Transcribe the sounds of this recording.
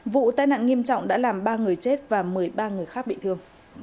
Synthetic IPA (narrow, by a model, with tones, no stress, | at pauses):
vṵ˧˨t̪aː˧jna̰ː˧˨nŋi˧əmt͡ɕɔ̰˧˨wŋ͡mɗa̰ː˧˥laː˨˩mɓaː˧ŋɨ˨˩əjt͡ɕe˦˥t̚vaː˨˩mɨ˨˩əjɓaː˧ŋɨ˨˩əjxaː˦˥k̚ɓḭ˧˨t̪ʰɨ˧əŋ